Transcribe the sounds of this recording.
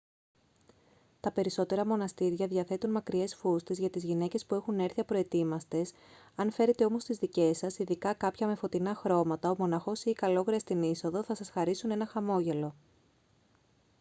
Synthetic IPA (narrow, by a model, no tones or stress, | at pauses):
t̪ɐpe̞ɾiso̞t̪e̞ɾɐmo̞nɐst̪iɾʝɐðʝɐθe̞t̪unmɐkɾie̞sfust̪e̞zʝɐt̪izʝine̞ce̞spue̞xune̞ɾθiɐpɾo̞e̞t̪imɐst̪e̞s | ɐnfe̞ɾe̞t̪e̞o̞mo̞st̪izðice̞sɐsiðikɐkɐpçɐme̞fo̞t̪inɐxɾo̞mɐt̪ɐomo̞nɐxo̞sikɐlo̞ɣɾiɐst̪iniso̞ðo̞θɐsɐsxɐɾisune̞nɐxɐmo̞ʝe̞lo̞